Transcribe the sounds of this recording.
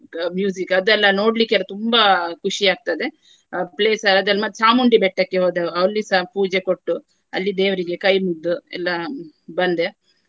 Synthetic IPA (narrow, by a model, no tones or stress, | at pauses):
mjuːsikɐd̪ɛlːɐno̞ːɖlikːɛlːɐt̪umbɐkuʃiaːɡ̚t̪ad̪e̞ | pleːsɐɾɐd̪ɐlːɐmɐt̪ːsaːmuɳɖibɛʈːɐkːeɦoːd̪eɐʋlːisapuːd͡ʒekoʈːu | ɐlːid̪eːʋɐɾiɡe̞kɐjmud̪ːuɛ̰lːɐ | bɐnd̪e